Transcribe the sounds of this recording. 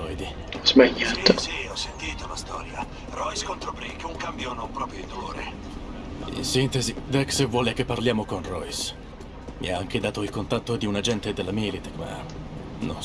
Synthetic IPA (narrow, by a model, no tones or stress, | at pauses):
ɔjd̪i | zmaɲːaisiɔsːent̪iːt̪olast̪ɔ̰ːɾja̰ | rɔjskont̪ɾopɾikeuŋkambjonompɾɔːpɾod̪oːɾḛ | ḭnsint̪ezid̪ɛksevːwɔːlek̟epːarljaːmokonrɔjs | mʔḭaaŋk̟ed̪aːt̪oilkont̪at̪ːod̪iunad͡ʒɛnt̪ed̪elːamilit̪kma̰ | no̰n